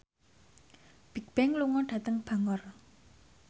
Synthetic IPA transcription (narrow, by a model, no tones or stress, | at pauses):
b̥i̤k̚b̥ɛŋluŋɔɖ̥ä̤t̪əŋb̥a̤ŋɔr